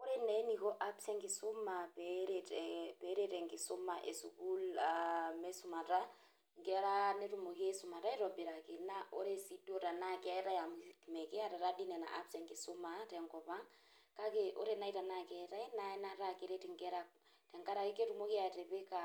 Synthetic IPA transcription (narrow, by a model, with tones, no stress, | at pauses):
o˦ɾe˦nɛ˨˦ni˨kɔ˦ʔa˦psɛ˦ŋki˨sʊ˦ma˨pɛɾetɛpɛ˨˦ɾe˦tɛ˨ŋɡi˨sʊ˦ma˨ʔe˨su˨ku˦lamɛ˦su˨ma˨ta˦ | ŋɡɛ˨˦ɾa˦ne˦ɾu˨mo˨ke˦sʊ˨ma˨ta˦i˦ɾɔ˨bi˨ɾa˨ke˨na˦ʔo˦ɾe˦si˦do˦ta˨na˦kɛ˦ta˦ja˨mikmɛ˨kɛ˦a˦ta˨ɾa˦di˦nɛ˨na̰˨ʔa̰˦psɛ˦ŋki˨sʊ˦ma˨tɛ˨ŋkɔ˨pa˦ŋ | ka˦ke˨ʔo˦ɾena˦i˦ta˨na˦kɛ˦ta˦i˦na˨ɛ˦na˦ɾa˨ke˦ɾe˦tɛ˨ŋɡɛ˦ɾa˦ | tɛ˨ŋka˦ɾa˨ki˦ke˦ɾu˨mo˦ki˦a˨tɛ˨pe˦ka˨